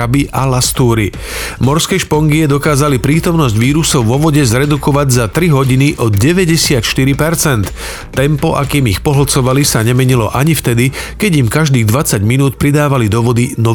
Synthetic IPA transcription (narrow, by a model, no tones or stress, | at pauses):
abiʔalast̪uːɾi | mɔɾskɛʃpɔŋɡiɛd̪ɔkaːzalipɾiːt̪ɔmnɔzɟʋiːɾusɔʊʋɔʋɔɟɛzɾɛd̪ukɔʋaɟzat̪ɾiɦɔɟiniʔɔɟɛʋɛɟɛsɪat̪ʃt̪iɾipɛɾt͡sɛnt̪ː | ɛmpɔʔakiːmixpɔɦl̩t͡sɔʋalisaɲɛmɛɲilɔʔaɲift̪ɛd̪ikɛɟimkaʒd̪iːɣd̪ʋat͡saɟminuːt̪pɾid̪aːʋalid̪ɔʋɔd̪inɔ